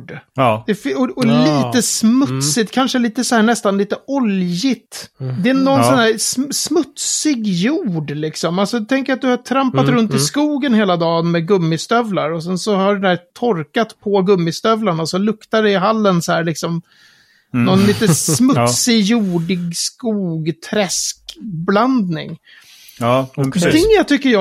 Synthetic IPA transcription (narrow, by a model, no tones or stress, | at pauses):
ɖd̪̥ɛfɔɔliːt̪əsmɵt̪sɪt̪kʰanʂəliːt̪əsɔhæːɳɛst̪anliːt̪əʔɔljɪt̪d̪ɛɛnːɔnsɔnhæːɾssmɵt̪ssɪɡjuːɖlɪksɔmalsɔt̪ʰɛŋkəɾat̪̚d̪ɵhat̪ʰɾampat̪ɾɵnt̪ɪskuːɡənheːlad̪ɑːnmɛɡɵmːɪst̪œvlaɾɔsɛnsɔhaɖɛnæːt̪ʰɔɾkat̪pʰɔɡɵmːɪst̪œvlaɳaɔsɔlɵkt̪aɖɛɪɦalːənshæːɾɭɪksɔm | nɔnliːt̪əsmɵt̪sɪjuːɖɪɡskuːɡt̪ʰɾɛskbland̪nɪ̰ŋ | d̪ɪat̪ʰʏkːəjɑ